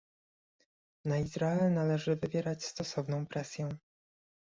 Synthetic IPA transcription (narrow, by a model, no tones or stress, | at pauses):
naizɾaɛnalɛʐɘvɘvʲjɛɾat͡ɕst̪ɔsɔvnɔ̃w̃pɾɛsʲjɛ